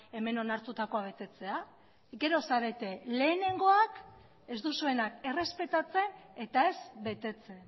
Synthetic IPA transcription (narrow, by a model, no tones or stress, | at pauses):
e̞me̞no̞naɾt̪ut̪ako̞aβ̞e̞t̪e̞t͡se̞a | ɡe̞ɾo̞saβe̞t̪e̞le̞ːne̞ŋɡo̞ak | e̞zd̪usue̞nake̞re̞spe̞t̪at͡se̞ne̞t̪ae̞zbe̞t̪e̞t͡se̞n